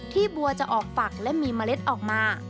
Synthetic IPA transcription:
t̪ʰiː˥˩bu˧ɐt͡ɕa˨˩ʔɔː˨˩k̚fa˨˩k̚lɛ˦˥miː˧maː˧le˦˥t̪̚ʔɔː˨˩k̚maː˧

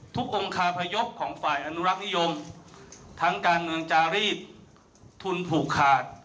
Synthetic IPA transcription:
t̪ʰu˦˥k̚ʔo˧ŋkʰaː˧pʰa˧jo˦˥p̚kʰɔː˩˦ŋfaː˨˩jʔa˧nu˦˥ɾa˦˥k̚ni˦˥jo˧m | t̪ʰa˦˥ŋkaː˧nmɯ˧əŋt͡ɕaː˧ɾiː˥˩t̪̚ | t̪ʰu˧npʰuː˨˩kʰːaː˨˩t̪̚

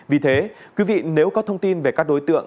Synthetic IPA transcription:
vi˨˩t̪ʰe˨˦kwi˨˦vḭ˧˨ne˨˦wkɔ˨˦t̪ʰə˧wŋ͡mt̪i˧nve˨˩kaː˦˥k̚ɗo˨˦jt̪ɨ̰˧˨əŋ

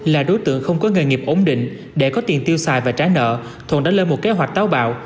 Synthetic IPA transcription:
laː˨˩ɗo˨˦jt̪ɨ̰˧˨əŋxə˧wŋ͡mkɔ˨˦ŋɨː˨˩jŋi˨˩əp̚ʔo˨˦ŋ͡mɗḭ̈˧˨ŋ̟ | ɗe˧˩kɔ˨˦t̪i˨˩ənt̪i˧əwsaː˨˩jvaː˨˩t͡ɕaː˨˦jnə̰ː˧˨ | t̪ʰwnɗaː˧˥le˧nmo˨˩t̚ke˨˦ɦwa˨˩jk̟̚t̪aː˨˦wɓa̰ː˧˨w

